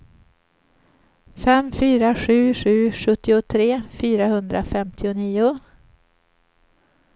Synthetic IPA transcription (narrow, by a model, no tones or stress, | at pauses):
fɛmfyːɾaɧʉ̟ːɧʉ̟ːɧɵt̪ːɪʊt̪ʰɾeːfyːɾahɵnd̪ɾafɛmt̪ʰɪʊniːʊ